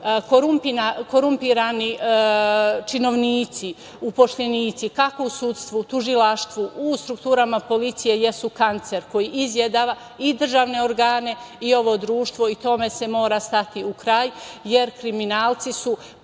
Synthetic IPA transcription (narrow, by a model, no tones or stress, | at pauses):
koɾumpinako̞ɾumpiɾani | t͡ʃino̞ʋniːt̪si | upo̞ʃʎeniːt̪sikako̞usut̪st̪ʋut̪uʒilaʃt̪ʋuʔust̪ɾukt̪uːɾamapo̞lit̪sije̞jesukant̪seɾko̞jiʔizjed̪aːʋa | id̪r̩ʒaːʋne̞o̞ɾɡaːne̞io̞ʋo̞d̪ɾuːʃt̪ʋo̞it̪o̞me̞se̞mo̞ːɾast̪at̪iukɾaːjje̞ɾkɾiminaːlt̪sisu